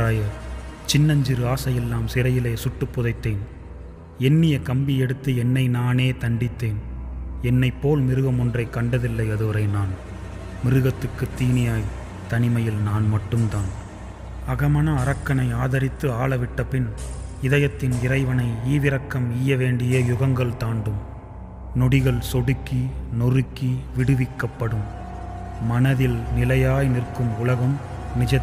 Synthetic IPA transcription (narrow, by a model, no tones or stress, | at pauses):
aːjɐt͡ʃɪnːɐɲd͡ʒɪɾɯaːsɐjɛlːaːmsɪɾɐjɪleːsʊʈːɯpːʊðɐɪt̪ːeːn | ɛnːɪjɐkɐmbɪɛɽɯt̪ːɯɛnːɐɪnaːneːt̪ɐɳɖɪt̪ːeːnɛnːɐɪpːoːlmɪɾɯɣɐmɔndrɐɪkɐɳɖɐðɪlːɐɪɐðɯʋɐɾɐɪnaːn | mɪɾɯɣɐt̪ːɯkːɯt̪ːiːnɪjaːj | t̪ɐnɪmɐjɪlnaːnmɐʈːɯmt̪aːn | ɐɣɐmɐnɐːɾɐkːɐnɐɪaːðɐɾɪt̪ːɯaːɭɐʋɪʈːɐpːɪnɪðɐjɐt̪ːɪnɪɾɐɪʋɐnɐɪiːʋɪɾɐkːɐmijːɐʋeːɳɖɪjɐjʊɣɐŋɡɐɭt̪aːɳɖɯm | nɔɽɪɣɐɭsɔɽɯkːinɔrɯkːiʋɪɽɯʋɪkːɐpːɐɽɯmː | ɐnɐðɪlnɪlɐjaːjnɪrkɯmʊlɐɣɐm | nɪd͡ʒɐt̪ː